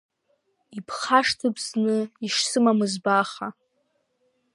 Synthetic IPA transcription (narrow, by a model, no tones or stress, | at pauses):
ipʰχaʂtʰɨpʰznɨiʂsɨmamɨzbaχa